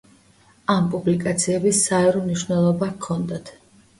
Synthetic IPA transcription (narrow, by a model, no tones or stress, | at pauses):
ampʼublikʼat̪sʰiɛbisaɛɾɔmniʃvnɛlˠɔbakʰɔnd̪at̪ʰ